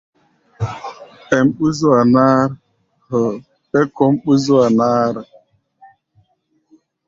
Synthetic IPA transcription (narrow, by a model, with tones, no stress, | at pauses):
e˨m̩˦ɓu˦zu˦a˨na˦ɾ | hɔ˨ | pe˦kɔ˦m̩˦k͡pu˦zu˦a˨naː˦ɾa˨